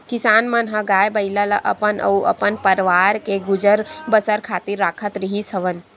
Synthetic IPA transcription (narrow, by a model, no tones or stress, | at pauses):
kisaːnmɐnɦəɡaːjbɐiləlɐʔɐ̰pənɐ̰uʔɐ̰pənpɐɾʋaːɾkeɡud͡ʒəɾbɐsəɾkʰaːt̪iɾːaːkʰət̪ɾiɦisəʋən